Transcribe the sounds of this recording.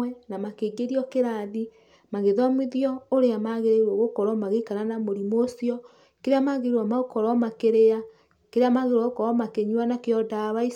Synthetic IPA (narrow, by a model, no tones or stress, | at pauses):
wɛnamakeɡeɾiɔkeɾaði | maɣeðɔmwiðiɔoɾeamaɣeɾeɾwɔɣokɔɾɔmaɣekaɾanamoɾimosiɔ | keɾeamaɣeeɾwamaɣokɔɾɔmakeɾea | keɾeamaɣeɾwɔɣokɔɾɔmakeɲwanakeɔdaβai